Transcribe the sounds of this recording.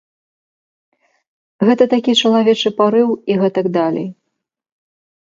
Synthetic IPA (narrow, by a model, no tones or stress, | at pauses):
ɣɛt̪ɐt̪akʲit͡ʂɐlˠavʲɛt͡ʂɨpaɾɨwiɣɛt̪ɐɡd̪alʲḛj